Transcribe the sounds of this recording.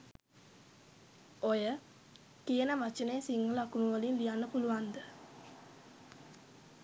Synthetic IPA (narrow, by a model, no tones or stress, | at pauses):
ojə | kijənəʋat͡ʃəneːsiŋːəlakunuʋəlinlijanːəpuluʋand̪ə